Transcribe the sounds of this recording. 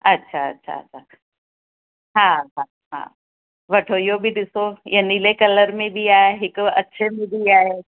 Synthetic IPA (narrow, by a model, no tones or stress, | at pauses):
ɐtːʃʰaɐ̰tːɕʰa̰ɐ̰tːʃʰa | ɦãːɦa | ɦã̰ː | ʋɐʈʰoɪjobʱiɗ̪ɪsoɪ̰ə̃nilekɐləɾmẽbʱiaːjaɦɪkɐ̰tːʃʰemʱĩbʱiaːɦe